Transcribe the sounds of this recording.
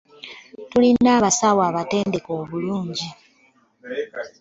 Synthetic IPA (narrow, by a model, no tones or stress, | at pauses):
tulinːaːβasawaːβate̞ːnde̞ko̞ːβuluːɲɟi